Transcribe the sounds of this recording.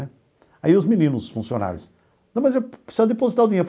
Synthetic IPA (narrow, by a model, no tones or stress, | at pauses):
ɛ | aiʊzminĩnʊzʊsfũsijona̰ɾjʊ̰s | nɐ̃w̃mɐzewsɔd̪ɪpozit̪ãw̃d̪ĩɲef